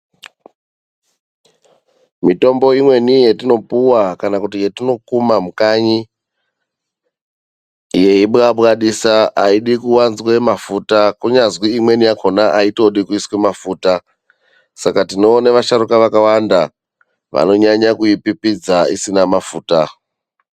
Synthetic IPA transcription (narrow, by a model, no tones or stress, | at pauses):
mito̞mbo̞imwe̞nije̞tino̞puwakanakutije̞tino̞kumamukaɲi | je̞iɓaɓkaɗisaaiɗikuwanzwe̞mafutakuɲazwiimwe̞niakʰonaʔaito̞ɗikuiswemafuːta | sakatino̞ːneʋaʃaɾukaʋakawanda | ʋa̰no̞ɲaɲakujipipid͡zaḭsinamafuːta